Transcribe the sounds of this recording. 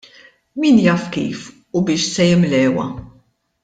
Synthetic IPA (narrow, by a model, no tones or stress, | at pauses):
miːnjɐːfkḭːf | ubɪːʃsɛjɪmlɛːwɐ̰